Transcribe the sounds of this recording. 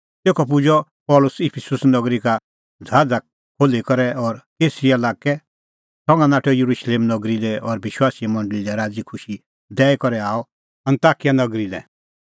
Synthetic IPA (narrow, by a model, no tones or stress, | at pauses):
t̪eːkʰɔp̬ʊd͡ʒɔ | pɔːlʊsɪpʰɪsʊsnɔɡɾika | d͡zʱaːd͡za | kʰoːlekɔɾɛɔːɾkeːsɾialaːkɛ | sɔ̃ŋɡãnaːʈʰɔjɐɾuʃleːmnɔɡɾilɛʔɔɾbɪʃwaːsimɐ̃ɳɖlilɛɾaːd͡zikʰʊʃi | d̪ɛːɛkɔɾɛaːɔ | ɐ̃nt̪aːkijanɐɡɾilɛ̰